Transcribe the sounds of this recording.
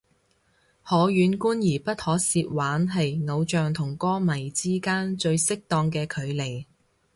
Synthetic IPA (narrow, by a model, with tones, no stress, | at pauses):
hɔː˨˥jyː˨˧nkuː˥njiː˨˩pɐ˥t̚hɔː˨˥siː˧t̚waː˨˥nɦɐ˨jŋo˨˧wt͡ʃœː˨˧ŋt̪ʰʊ˨˩ŋkɔː˥mɐ˨˩jt͡siː˥kaː˥nt͡ʃɵ˧ɥsɪ˥k̚t̪ɔː˧ŋkɛː˧kʰɵ˨˧ɥle˨˩j